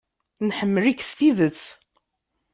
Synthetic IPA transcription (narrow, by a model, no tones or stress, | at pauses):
nħəmːəlikst̪iðət͡sː